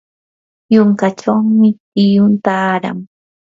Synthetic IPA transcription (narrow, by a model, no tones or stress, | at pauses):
jʊŋkat͡ʃawmɪ | ɪjʊnt̪aːɾa̰ŋ